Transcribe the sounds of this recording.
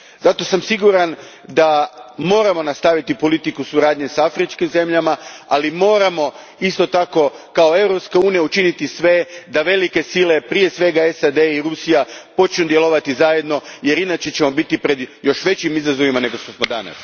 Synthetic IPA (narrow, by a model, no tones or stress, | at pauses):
zat̪o̞samsiɡuɾan | d̪amo̞ːɾamo̞nast̪aʋit̪ipo̞lit̪ikusuɾaːd̪ɲe̞safɾit͡ʃkimze̞mʎamaalimo̞ːɾamo̞ | ist̪o̞t̪ako̞ | kao̞e̞wɾo̞pskauːnijaut͡ʃinit̪isʋe̞d̪aʋe̞like̞sile̞pɾije̞sʋe̞ɡae̞sad̪e̞iɾusijapo̞t͡ʃnud̪je̞lˠo̞ʋat̪izaje̞d̪no̞je̞ɾinat͡ʃe̞t͡ɕe̞mo̞bit̪ipɾe̞d̪jo̞ʃʋe̞t͡ɕimizazo̞ʋimane̞ɡo̞ʃt̪o̞smo̞d̪a̰na̰s